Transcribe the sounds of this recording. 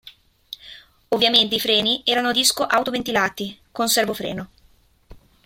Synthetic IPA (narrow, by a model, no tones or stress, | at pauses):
ovːjament̪eifɾɛːniʔɛːɾanod̪iskoʔawt̪ovent̪ilaːt̪ikonsɛrvofɾɛ̰ːno